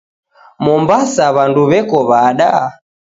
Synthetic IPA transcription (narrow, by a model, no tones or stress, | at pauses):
mɔmbasaβanduβɛkɔβaɗa̰